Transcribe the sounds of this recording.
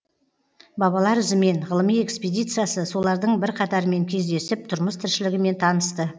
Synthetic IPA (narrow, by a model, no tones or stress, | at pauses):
bɑβɑlˠɑɾʏzɪme̞ɴʁəlˠəmije̞ksped̪ijt̪sɨjasəso̞lˠɑɾd̪əɴbɪɾqʰɑt̪ɑɾəme̞ŋkʲʰe̞zd̪e̞sɪp̚t̪ʰʊɾməst̪ʰɪɾʃɪlɪɡʲɪme̞nt̪ʰɑnəst̪ə